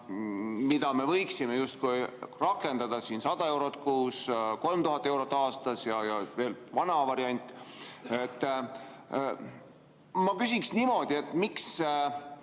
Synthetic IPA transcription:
mid̪ɑme̞vɤjksimejust̪̚kujrɑkːˑe̞nd̪̥ɑd̪̥ɑsiːnsɑd̪̥ɑe̞wɾo̞t̪ːˑkuːsko̞lmt̪uɦɑt̪ːˑe̞wɾo̞t̪ːˑɑːst̪ɑsjɑjɑve̞ːlvɑnɑvɑɾiɑnʲt̪ˑe̞t̪ːˑ | mɑkysiksnimo̞d̪̥ie̞t̪ːˑmiks

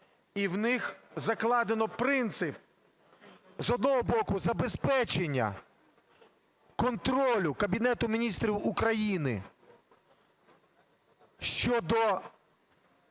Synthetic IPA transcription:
iwnɪxzɐklˠɑd̪enɔpɾɪnt̪sɪp̚ | zɔd̪̚nɔɦɔbɔkʊzɐbespɛt͡ʃenʲːɐ̰ | kɔnt̪ɾɔlʲʊkɐbʲinɛt̪ʊmʲinʲist̪ɾʲiwʊkɾɐjinɪ̰ | ʃt͡ʃɔd̪ɔ

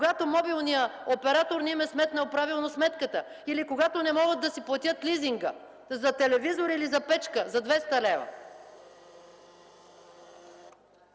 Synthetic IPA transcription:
koɡat̪omɔbilˠnijəopɛɾat̪oɾnimɛsmɛt̪nɐlpɾavilˠnosmɛt̪kət̪ə | ilikoɡat̪onɛmɔɡəd̪ːɐsiplˠɐt̪ʲjət̪liziŋɡə | zɐt̪ɛlɛvizoɾilizɐpɛt͡ʃkəzɐd̪vɛst̪ɐlɛvɐ̰

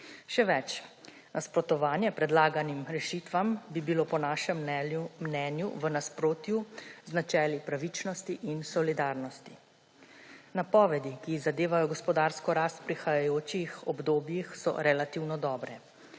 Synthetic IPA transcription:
ʃɛʋɛt͡ʃ | nʔaspɾɔt̪ɔʋaːnjɛpɾɛd̪laːɡanimɾɛʃiːt̪ʋambibiloːpɔnaːʃɛmːnɛːnjṵʋənaspɾoːt̪juznat͡ʃɛːlipɾaʋit͡ʃnɔst̪iʔinsɔlid̪aːɾnɔst̪i | napɔːʋɛd̪ikizad̪eːʋajɔɡɔspɔd̪aɾskɔɾaːst̪̚pɾixajajoːt͡ʃixɔbd̪oːbjixsɔ̰ɾɛlat̪iwnɔd̪ɔːbɾɛ

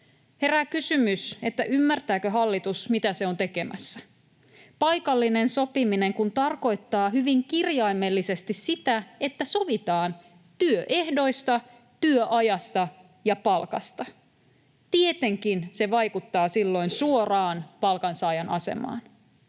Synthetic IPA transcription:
he̞ɾækysymyse̞t̪ːæʔymːært̪æːkøɦɑlːit̪usmit̪æse̞o̞nt̪e̞ke̞mʔæ̰sːæ | pɑjkɑlːine̞nso̞pimine̞ŋkunt̪ɑrko̞jt̪ːɑːɦyʋiŋkirjɑime̞lːisest̪issit̪æe̞t̪ːæso̞ʋit̪ɑːn | t̪yøʔe̞hdo̞jst̪ɑ | t̪yøʔɑjɑst̪ɑ | jɑpɑlkɑ̰st̪ɑ | t̪ie̞t̪e̞ŋkinse̞ʋɑjkut̪ːɑːsilːo̞insuo̞rɑːnpɑlkɑnsɑːjɑnʔɑ̰se̞̰mɑ̰ːn

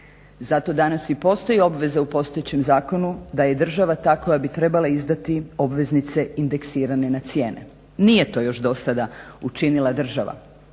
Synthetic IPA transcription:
zat̪o̞d̪anasipo̞st̪o̞jio̞bʋe̞zaupo̞st̪o̞jet͡ɕemzaːko̞nud̪aje̞d̪r̩ʒaʋat̪aːko̞jabit̪ɾe̞balaizd̪at̪io̞bʋe̞znit̪se̞ind̪e̞ksiːɾanenat̪sje̞ːnḛ | nije̞t̪o̞ːjo̞ʃd̪o̞sad̪aut͡ʃinilˠad̪r̩ʒaʋa̰

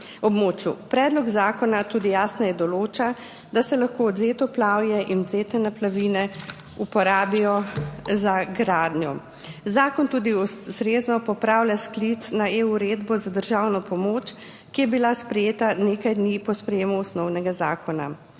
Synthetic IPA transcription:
ɔbmoːt͡ʃjṵpɾɛːd̪lɔɡzaːkɔnat̪uːd̪ijaːsnɛjɛd̪ɔloːt͡ʃa | d̪asɛlaxkoːɔd̪zeːt̪ɔplaːwjɛʔinɔd̪zeːt̪ɛnaplaʋinɛ | upɔɾaːbijɔzaɡɾaːd̪njɔ | zaːkɔnt̪uːd̪iɔsɾeːznɔpɔpɾaːwlʲjasklit̪snaeuɾeːd̪bɔzad̪əɾʒawnɔpɔmoːt͡ʃ | kijɛbilaspɾɛjeːt̪aneːkajd̪niːpɔspɾɛjeːmuɔsnɔwnɛɡazaːkɔna̰

